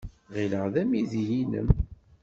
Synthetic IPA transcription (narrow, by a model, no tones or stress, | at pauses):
ʁiləʁðæmiðijinə̰m